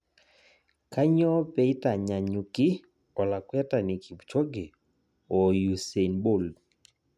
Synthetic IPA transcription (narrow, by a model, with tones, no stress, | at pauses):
ka˦ɲɔ˦pɛ˨i˦ta˨ɲa˨ɲu˨kɪ˦ | ɔ˨la˨kwɛ˦ta˨ni˨kʰi˨bt͡ʃɔ˦ɡɛ˨ | ɔ˨ju˨se˨nbo˦˨l